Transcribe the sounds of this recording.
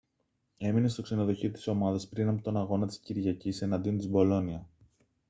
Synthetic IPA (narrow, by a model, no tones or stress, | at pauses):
e̞mine̞st̪o̞kse̞no̞ðo̞çit̪i̥so̞mɐðɐspɾinɐpo̞t̪o̞nɐɣo̞nɐt̪i̥sciɾʝɐcise̞nɐnd̪io̞nt̪izbo̞lo̞niɐ